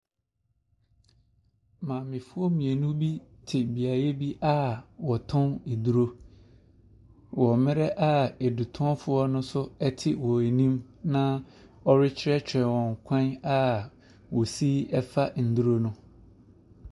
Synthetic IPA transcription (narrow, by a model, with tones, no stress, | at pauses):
mãː˨mɪ̃˨fʊ˦ɔ˦mĩ˨e˨nũ˦bi˦tʰɪ˨bi˨a˨ɾe˦bi˦ʔa˦wɔ˨tʰʊ̃˦ne˨du˦ɾo˦ | wɔ˨mɪ̃˦ɾɛ˦ʔa˦e˨du˨tʰʊ̃˦ɔ˦fʊ˦ɔ˦nʊ̃˦sʊ˦ɛ˦tʰɪ˦wɔ˨e˨nĩ˦mnã˦ | ɔ˦ɾɪ˦t͡ɕʰɪ˦ɾɛ˦t͡ɕʰᶣɛ̃˨wɔ̃˨ŋ˨kʷʰã˦na˦ | wɔ˨si˦ɛ˦fa˦n̩˨du˦ɾo˦nʊ̃˦